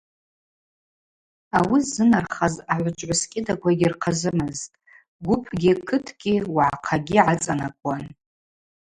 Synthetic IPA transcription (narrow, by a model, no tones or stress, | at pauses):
awizɨnarχazaʕʷʊt͡ʃʷʼʕʊskʲʼɪdakʷʰaɡʲɪrqʰazɨmɨztʼ | ɡʷʊpʰɡʲɪkʰɨtʰɡ̥ʲiwaʕaqʰaɡʲiʕat͡sʼanakʷʼan